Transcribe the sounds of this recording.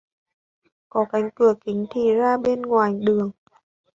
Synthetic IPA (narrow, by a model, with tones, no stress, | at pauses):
kɔ˨˦ka˨˦ŋ̟kɨ˧˩əki˨˦ŋ̟t̪ʰi˧˩zaː˧ɓeː˧˥nŋwaː˨˩jɗɨ˨˩əŋ